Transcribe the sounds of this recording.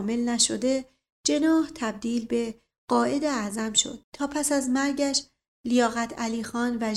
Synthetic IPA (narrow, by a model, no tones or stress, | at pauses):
me̞lnæʃod̪e̞ | d͡ʒe̞nɒːht̪ʰæb̚d̪iːlbe̞ | ɢ̥ɒːʔe̞d̪eæʔzæmʃo̞̰d̪̥̚t̪ʰːɒːpʰæsæzmæɾɟæʃ | lijɒːɣæt̪ʰæliːxɒːnvæ